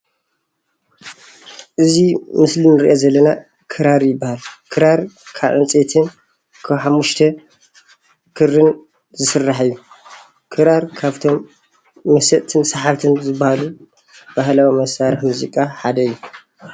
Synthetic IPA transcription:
ʔɨzimɨslinɨɾḭʔozɐlːɐna | kʰɨɾaɾjɪbːahalkʰɨɾaɾkʰaβʔɨnt͡sʼet̪ʰɨn | kʰaβħamːuʃt̪ʰɐ | kʰɨrɨn | zɨsɨrːaħɨjːu | kʰɨɾaɾkʰaβt̪ʰo̞mː | ɐsɐʔt̪ʰɨnsɐħaβt̪ʰɨnzɨbːahalu | b̥ahlawimɐsaɾɨħmuzikʼaħad̪ɐɨjːu

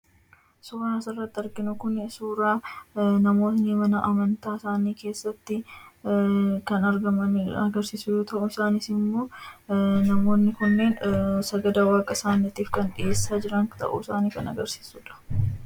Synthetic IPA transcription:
suːɾaːsɪrːɐt̪ːɪɐɾɡɪnʊkʊnsuːɾaːnɐmo̞ːt̪nɪmɐnɐʔɐmɐnt̪aːɪsaːniːke̞ːsːɐt̪ːɪ | kɐnɐɾɡɐmɐɐɡɐɾsiːsʊjoːt̪ɐʔʊɪsaːnɪsɪmoː | nɐmo̞ːnːɪkʊnːe̞ːnsɐɡɐd̪awaːkʼːɐsaːnːɐt̪iːfkɐnᶑɪeːsːaːd͡ʒɪɾɐŋt̪ɐ̰ʔṵɪsaːniːkɐnɐ̰ɡɐɾsi̥ːsuːᶑɐ̥

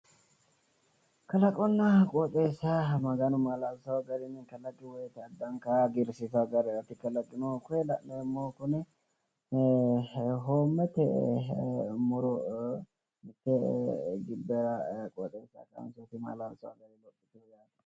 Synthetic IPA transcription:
kɐlɐkʼɔnːɐkʼot̪ʼeːsamɐɡɐnʊmalalsɐwɐɡɐɾɪnkɐlɐɡːɪwɔjɛt̪ɛɐd̪ːɐŋkaɡɪɾsɪt̪ɐɡɐɾɛɐt̪ːɪkːɐlɐɡːɪnokʊɛlɐnːmːoːkʊnɛ | ɦoːmːɛt̪ɛ | mʊɾɔ | mɪt̪ːɛɡɪbːɛɾɐkʼɔt̪ʼeːsa̰kɐ̰nsɔt̪ɪma̰lalsɐwɐ̰ɡɐɾɪlɔkʼːɪt̪oɡaːt̪ɐ

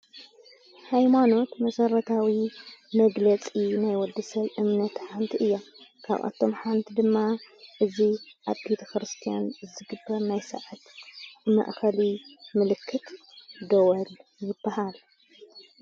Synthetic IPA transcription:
hajmano̞t̪mɐsɐɾɐt̪ʰawimɐɡlɐt͡sʼinajwɔd̪ːɨsɐβʔɨmnɐt̪ħant̪ʰiʔɨjːokʰa̰βʔa̰t̪ʰo̞mħant̪ʰid̪ɨmːaʔɨziʔaβbet̪ʰɐxɾɨst̪ʰijanzɨɡɨbːɐɾnajsɐʕat̪mɐ̰ʔxɐlimɨlɨkʰːɨt̪ | d̪ɐwɐljɪbːɐhal

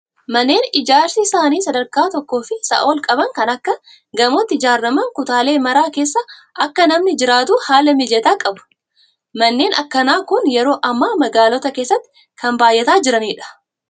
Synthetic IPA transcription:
mɐnːe̞ːnɪd͡ʒaːɾsisaːniːsɐd̪ɐɾkaːt̪ɔkːo̞ːfɪsɐ̰ʔo̞ːlkʼɐbɐŋkɐnɐkːɐ | ɡɐmot̪ːɪɪd͡ʒaːrːɐmɐŋkʊt̪aːle̞ːmɐɾaːke̞ːsːɐʔɐkːɐnɐmnɪd͡ʒɪɾaːt̪ʊhaːlɐmɪd͡ʒɛt̪aːkʼɐbʊ̥ | mɐnːe̞ːnʔɐ̰kːɐnaːkʊnjɛɾo̞ːʔɐmːaːmɐɡaːlɔt̪ɐke̞ːsːɐt̪ːɪ̥ | kɐmbaːjʔːɛt̪aːd͡ʒɪɾɐniːᶑɐ̥

